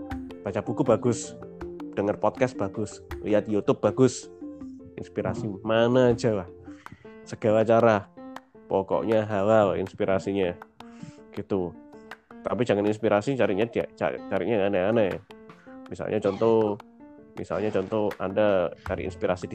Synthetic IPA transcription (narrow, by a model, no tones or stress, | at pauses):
b̥at͡ʃapukubaɡʊs | d̥əŋərpɔt̪̚kas̚b̥aɡʊsliat̪jut̪ʊb̚b̥aɡʊs | inspiɾasimanad͡ʒalah | səɡ̥awat͡ʃaɾapɔkɔ̰ʔɲaɦawalḭnspiɾasiɲa | ɡ̥it̪u | t̪apid͡ʒaŋaninspiɾasit͡ʃaɾiɲadia̰t͡ʃa̰t͡ʃaɾikɲaŋanaana̰ | misa̰lɲat͡ʃɔnt̪ɔ | mḭsa̰lɲat͡ʃɔnt̪ɔa̰ndakaɾḭʔḭnspiɾasidi